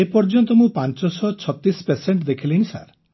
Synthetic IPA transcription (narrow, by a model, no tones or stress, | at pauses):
epɔɾd͡ʒɔnt̪ɔmũpant͡ʃɔsɔt͡ʃʰɔt̪ːispeseɳʈd̪ekʰiliñisa̰ɾ